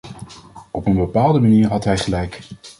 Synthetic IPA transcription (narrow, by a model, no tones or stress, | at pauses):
ɔpənbəpaːlˠdəmaniːɹɦɑtɦɛjχəlɛjk